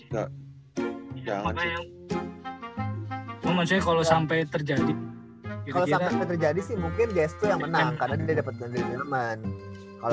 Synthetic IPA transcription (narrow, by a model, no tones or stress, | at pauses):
ɡa̰ | aŋa | amat͡ʃɔkalosampajt̪ərd͡ʒadi | kalosapampejt̪ərd͡ʒadisɪhmuŋkɪnd͡ʒast̪ʊjaŋmənaŋkarnad̪idadapət̪̚kandiɾiiləmən | kal